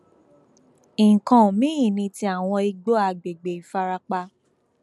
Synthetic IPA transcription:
ĩ˨ŋ̩˨kã˨mĩ˦ĩ˦˨nĩ˧ti˧˦a˨w̃ɔ̃˧i˧ɡ͡bo˦a˧˨ɡ͡be˨ɡ͡be˨i˨fa˧ɾa˧k͡pa˧

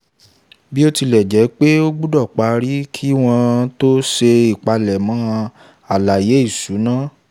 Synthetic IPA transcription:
bi˦o˦ti˧lɛ˨d͡ʒɛ˨˦k͡pe˦o˦ɡ͡bu˦dɔ˦˨k͡pa˨˧ɾi˦kʰi˦w̃ɔ̃˧to˦ʃe˧i˨k͡pa˧lɛ˨mɔ̃˨˦˧ | a˨la˨je˨˦i˦˨su˨˦nãː˦˨

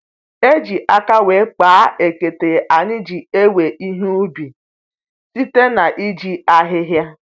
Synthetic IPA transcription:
e˦d͡ʒi˨ʔa˦ka˦we˨˦k͡paː˨˦e˨ke˨te˨ʔa˨ɲɪ˦d͡ʒi˨e˦we˨ʔi˦ɦe˦u˦bi˨ | si˦te˦na˨ʔi˦d͡ʒi˦a˦ɦɪ˦ɦja˦

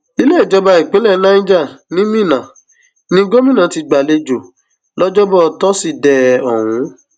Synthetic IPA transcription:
i˦le˦i˦˨d͡ʒɔ˧ba˧i˨k͡pẽ˨˦lɛ˦˨nã˦ĩ˦d͡ʒa˦˨nĩ˦mĩ˦˨nã˨ | nĩ˦ɡo˦mĩ˦˨nã˨˦ti˧ɡ͡ba˨le˧d͡ʒo˨ | lɔ˦d͡ʒɔ˦bɔ˦˧tɔ˦si˦˨dɛ˦ɔ˨hũ˨˦

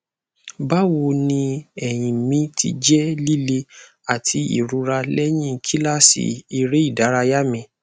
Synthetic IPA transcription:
ba˦wo˧nĩ˧ɛ˦˨j̃ĩ˨mĩ˦tʰḭ˧d͡ʒɛ˦li˦le˧ | a˨tʰi˧˦ḭ˨ɾu˨˧ɾa˧lɛ˦j̃ĩ˦˨kʰi˦la˦˨sḭ˨i˦˨ɾe˨˦i˦˨da˨˦ɾa˧ja˦mĩ˧

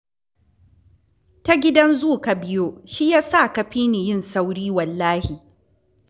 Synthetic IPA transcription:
ta˦ɡʲɪ˦dɐ˦nzuː˦˨ka˨bɪ˦joː˦ʃi˦jaː˦sa˦˨kɐ˨ɸiː˦ni˨jɪ˦˨nsa˦wɽiː˦wɐ˨lːaː˦hiː˨

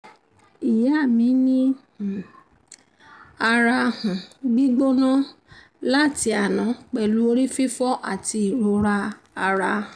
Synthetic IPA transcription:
i˨jɛ˨˦a˦˨mĩ˨˦nĩ˦˨ | a˧ɾa˧hũ˨ɡ͡bi˦ɡ͡bo˦nã˦ | la˦˨ti˧a˨nã˨˦k͡pɛ˨lu˨˦o˧ɾi˦fi˦fɔ˦ʔa˦˨ti˧i˨ɾo˧ɾa˧ | a˧ɾã˧˨˦

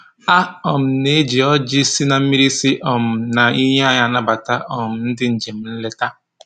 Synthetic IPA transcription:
a˦ɔ˨m̩˨ne˦d͡ʒi˨ɔ˦d͡ʒɪ˦si˦na˨m̩˦i˦ɾi˦sɪ˦ʔɔ˨m̩˨na˨i˦ɲe˦a˦ɲa˨na˦ba˨ta˦ʔɔ˨m̩˨n̩˦dɪ˦n̩˨d͡ʒe˨m̩˦n̩˦le˦ta˦

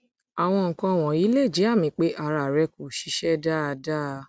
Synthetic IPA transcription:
a˨w̃ɔ̃˧ŋ̩˨kɔ̃˧˨w̃ɔ̃˨i˨˦le˦˨d͡ʒi˨˦a˦˨mĩ˧˦k͡pe˨˦ʔa˧˨ɾa˨ɾɛ˧ko˨ʃi˧˦ʃɛ˦da˦˧da˦˨˧

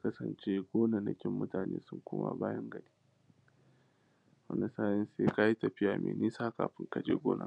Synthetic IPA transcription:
a˦kɐ˦sɐ˨nt͡ʃe˦ɡʷoː˦nɐ˨ndɐ˨kʲɪ˦mːʊ˦taː˨nḛː˦sʊ˦ŋkʷʊ˦ma̰˨baː˦jɐ˦ŋɡɐ˨ɽiː˦ | wɐ̰˦ndɐ˨saː˦jɛ˦nseː˦ka˦ji˦tɐ˨ɸɪ˦jaː˨mʔḛː˨niː˦saː˦ka̰ː˨ɸɪ˦ŋka˨d͡ʒeː˦ɡʷoː˦na̰˨

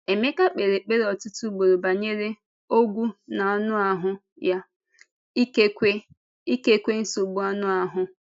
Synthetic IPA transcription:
e˨me˦ka˦k͡pe˨ɾe˨k͡pe˦ɾɔ˨tʊ˦tu˦ɡ͡bo˨ɾo˨ba˨ɲe˦ɾe˦ | o˦ɡʷu˦na˨ɔ˦nʊ˦a˨ɦʊ˦ | ja˦ | i˦ke˦kʷe˦ | i˦ke˦kʷe˦n̩˦so˨ɡ͡bu˦ɔ˦nʊ˦a˨ɦʊ˦

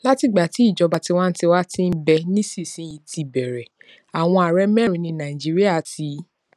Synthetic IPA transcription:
la˦ti˧ɡ͡ba˨ti˨˦i˦˨d͡ʒɔ˨˧ba˨˧ti˧wa˦n̩˦ti˧wa˦tĩ˦n̩˦bɛ˧nĩ˦si˦˨sĩ˨˦ji˧ti˧bɛ˨ɾɛ˨ | a˨w̃ɔ̃˧a˨ɾɛ˧˦mɛ̃˦ɾĩ˨nĩ˧nã˨i˨d͡ʒi˨˦ɾi˦a˦˨ti˧˦

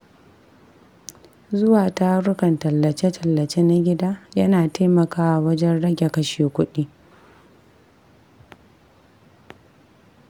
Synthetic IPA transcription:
zʊ˦waː˨ta˦ɾʊ˦kɐ˨ntɐ˨lːɐ˨t͡ʃe˦tʰɐ˨lːɐ˨t͡ʃe˦na˦ɡʲɪ˦daː˦jɐ˦naː˨ta˦mɐ˨kaː˦ʔa˨wɐ˦d͡ʒɛ˦nɽɐ˦ɡʲe˨kɐ˦ʃeː˨kʷʊ˦ɗi˦

